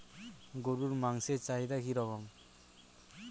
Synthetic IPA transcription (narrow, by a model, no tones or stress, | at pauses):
ɡoɾuɾmaŋset͡ʃaɦid̪akʰiɾɔɡɔm